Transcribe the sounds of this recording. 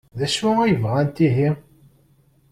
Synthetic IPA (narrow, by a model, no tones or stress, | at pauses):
ðæʃuæjəvʁænt̪iɦi